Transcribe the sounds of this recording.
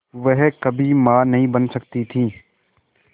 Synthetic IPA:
ʋɛɦkɐbʱimãːnɐɦĩbɐnsɐkt̪it̪ʰĩː

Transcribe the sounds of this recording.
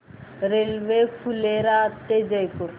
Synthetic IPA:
ɾelʋekʰuleɾat̪ːed͡ʒəjpuɾ

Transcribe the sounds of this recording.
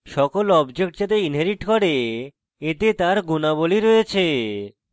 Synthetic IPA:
ʃɔkolɔbd͡ʑek̚ʈ̚d͡ʑat̪einɦeɾiʈkɔɾe | et̪et̪aɾɡunaboliɾoet͡ɕʰe

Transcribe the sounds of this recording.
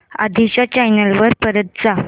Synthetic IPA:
a̰d̪ʱiɕat͡ɕajnəlʋəɾpəɾət̪̚d͡za

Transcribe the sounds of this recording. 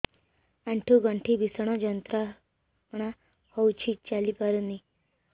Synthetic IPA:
aɳʈʰuɡaɳʈʰiːbisɳ̃əd͡ʑənt̪ɾa | ɳa | howt͡ɕʰit͡ɕalipaɾuni

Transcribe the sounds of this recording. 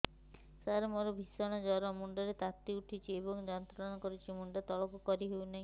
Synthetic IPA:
saɾemoɾɔbʱisɔɽ̃ɔd͡ʒɔɾɔmuɳɖɔɾet̪at̪ːiuʈʰit͡ʃʰiebɔŋd͡ʒɔnt̪ɾɔnɔkɔɾut͡ʃʰimuɳɖɔt̪ɔɭɔkukɔɾiɦewnaɦĩ

